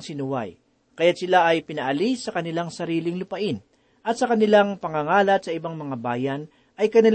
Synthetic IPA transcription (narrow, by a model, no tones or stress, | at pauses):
ŋsɪnʊwa̰j | kɐjat̪sɪlaʔɐjpɪnɐʔɐlisːɐkɐnɪlaŋsɐɾiːlɪŋlʊpɐʔɪn | ʔɐt̪̚sɐkɐnɪlaŋpɐŋɐŋaːlɐt̪̚sɐɪbaŋmɐŋabaːjɐn | ʔɐjkɐnɪl